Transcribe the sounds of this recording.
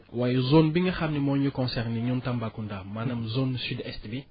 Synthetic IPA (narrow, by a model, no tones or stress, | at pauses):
wajɛzonbiŋɡɐxamnimɔɲukɔ̃nsɛrniɲuntɐmbakundaːmanɐmzonsydɛstbi